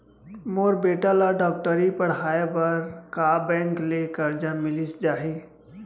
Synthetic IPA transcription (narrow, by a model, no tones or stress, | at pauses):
moːɾbeːʈalaɖɔːk̚ʈəɾipɐɽ̤ɦaːebɐɾkaːbɛ̃ːŋklekɐɾd͡ʒãmɪlisd͡ʒaːɦiː